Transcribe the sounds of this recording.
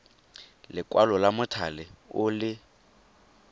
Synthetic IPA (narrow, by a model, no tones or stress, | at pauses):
lɪkʼwalɔlamʊtʰalɪʊlɪ